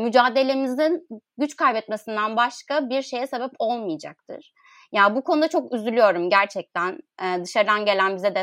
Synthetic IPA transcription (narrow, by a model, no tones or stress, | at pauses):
myd͡ʒaːd̪e̞lʲe̞mizinɟyt͡ʃkajbɛt̪mesind̪anbaʃkabiɾʃe̞jɛse̞bɛpo̞lˠmɯjad͡ʒa̰k̚t̪ʰɯ̰ɾ̥ | jaːbukʰonud̪at͡ʃʰo̞kyzylʲyjo̞ɾumɟæɾt͡ʃʰɛc̚t̪ʰænɛːd̪ɯʃaɾɯd̪anɟe̞lʲænbizɛd̪ɛ